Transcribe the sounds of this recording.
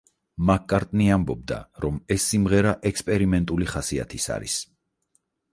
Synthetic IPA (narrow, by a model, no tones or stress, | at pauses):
makʰkʼaɾt̪ʼniambɔb̚d̪a̰ɾɔmɛsːimʁɛɾaʔɛkspʼɛɾimɛnt̪ʼuliχasia̰t̪ʰisa̰ɾḭs